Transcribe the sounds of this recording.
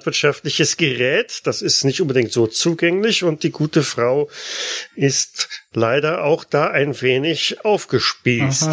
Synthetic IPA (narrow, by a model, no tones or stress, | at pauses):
tv̥ɪɐtʃaftlɪçəsɡ̥əʁɛːtd̥asɪstnɪçtʔʊnbədɪŋktz̥oːt͡suːɡɛŋlɪçʊnt̚d̥iːɡuːtəfʁ̥aʊ | ʔɪstlaɪdɐʔaʊxd̥aːʔaɪnveːnɪçʔaʊfɡ̥əʃpiːst